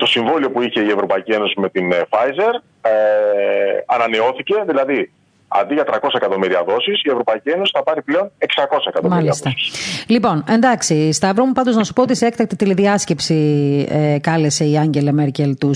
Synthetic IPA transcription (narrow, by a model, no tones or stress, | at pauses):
t̪o̞siɱvolio̞puiçe̞ie̞vɾo̞pɐicie̞no̞sime̞t̪infɐjze̞ɾ | ɐnɐne̞o̞θice̞ðilɐði | ɐ̰nd̪iʝɐt̪ɾɐko̞sɐekɐt̪o̞miɾiɐðo̞sisievɾo̞pɐicie̞no̞si̥θɐpɐɾiple̞o̞ne̞ksɐko̞sɐekɐt̪omɐliɐst̪ɐsi̥slipo̞ne̞nd̪ɐksist̪ɐvɾomupɐnd̪oznɐsu̥poot̪iseekt̪ɐk̚t̪it̪iliðiɐsce̞psiekɐlese̞iɐɲɟe̞lɐmeɾce̞lt̪u